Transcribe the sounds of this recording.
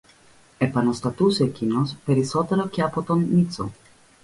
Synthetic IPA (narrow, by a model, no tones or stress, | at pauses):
e̞pɐnost̪ɐt̪use̞ːcino̞spe̞ɾiso̞t̪e̞ɾoce̞ɐpo̞t̪o̞nːit͡so̞̰